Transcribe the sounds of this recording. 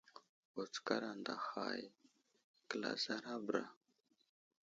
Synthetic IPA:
o˨t͡ska˦ɾa˨nda˨xa˨j | kə˨la̰˨za˦ɾa˦bɾa˨

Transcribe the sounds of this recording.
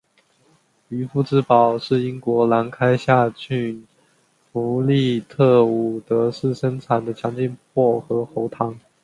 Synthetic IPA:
y˧˥fu˥˩ʈ͡ʂɻ̩˧˥pɑ˨˩ʊʂɻ̩˥˩i˥ŋkwɔ˧˥la˧˥nkʰa˥ɪɕja˥˧t͡ɕʰy˥˩n | fu˧˥li˥˧t̪ʰɤ˥˩u˨˩t̪ɤ˧˥ʂɻ̩˥˩ʂə˥ŋʈ͡ʂʰa˨˩nd̪ə˦t͡ɕʰjɑ˧˥ŋt͡ɕi˥˧npʰwɔ˥˩xɤ˧˥xo˧˥ʊt̪ʰɑ˧˥˦ŋ

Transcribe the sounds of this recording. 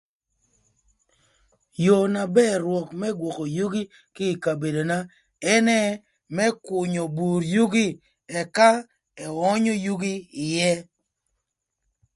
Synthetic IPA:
jo˨na˨bɛ˦ɾwɔ˨kmɛ˦ɡwɔ˨ko˨ju˦ɡi˦ | kɪ˦˨ka˨be˨do˨na˦ | ɛ˦nɛ˦ | mɛ˦kʊ˨ɲo˨bu˨ɾju˦ɡi˦ | ɛ˨ka˦ | ɛ˨ɔ˦ɲo˦ju˦ɡi˦ɪ˨jɛ˦

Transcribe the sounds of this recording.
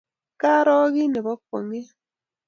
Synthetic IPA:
ka˦ɾɔ˦ɣi˦ne˨βɔ˦k̚o̰˨ŋe˦

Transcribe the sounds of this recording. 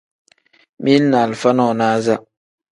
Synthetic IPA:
mi˦na˨lfa˦nɔ˦˨naː˦za˦

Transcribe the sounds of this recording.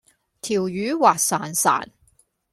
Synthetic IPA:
t̪ʰiː˨˩wjyː˨˧˥waː˨k̚saː˨˩nsa̰ː˨˩n

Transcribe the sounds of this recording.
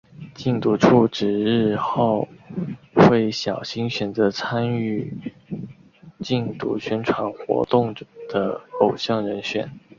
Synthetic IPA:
t͡ɕi˥˩ŋt̪u˧˥ʈ͡ʂʰu˥˩ʈ͡ʂɻ̩˨˩ɻɻ̩˥˧xo˥˩ʊ | xwe˥˩ɪɕjɑ˨˩ʊɕi˥ŋɕɥɛ˨˩nt͡sɤ˧˥t͡sʰa˥ny˥˩ | t͡ɕi˥˩nt̪ṵ˧˥ɕɥɛ˥nʈ͡ʂʰwa˧˥nxwɔ̰˧˥t̪ʊ˥˩ŋd̪̥ə˩˦o˨˩ʊɕjɑ˥˩ŋɻə˧˥nɕɥɛ̰˨˩˦n

